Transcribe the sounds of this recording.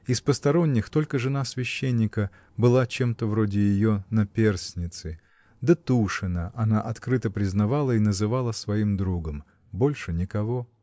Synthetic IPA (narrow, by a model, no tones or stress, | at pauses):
ɪspəst̪ɐɾo̞nʲːɪxt̪o̞lʲkəʐɨnasvʲɪɕːenʲːɪkə | bɨlˠat͡ɕe̞mt̪əvɾodʲɪjɪjonɐpʲe̞rsʲnʲɪt̪sɨ | d̪ət̪uʂɨnəʔɐnaʔɐt̪kɾɨt̪əpɾʲɪznɐvalˠəinəzɨvalˠəsvɐimd̪ɾuɡəm | bo̞lʲʂɨnʲɪkɐvo̞